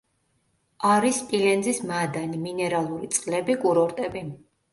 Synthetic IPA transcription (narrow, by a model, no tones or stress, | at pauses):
aɾist̪ʼilɛnzismad̪animinɛɾalˠuɾit̪sʼqʼlɛbikʼuɾɔɾt̪ʼɛbi